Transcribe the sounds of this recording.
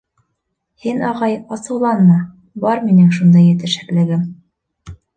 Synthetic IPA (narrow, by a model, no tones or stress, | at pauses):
hinɑʁɑjɑsɤ̆wlˠɑnːɑ | bɑɾminɘŋʃund̪ɑjɘ̆t̪ɘ̆ʃɘklɘ̆ɡɘm